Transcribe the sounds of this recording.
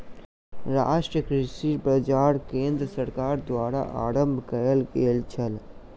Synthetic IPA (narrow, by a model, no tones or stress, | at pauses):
ɾa̰ːʃʈɾəkɾisipɾɐd͡ʒaːɾkẽːnd̪ɾəsɐɾkaːɾd̪waːɾa̰ʔa̰ːɾə̃mbʱkɐjəlkeːlt͡ʃʰəl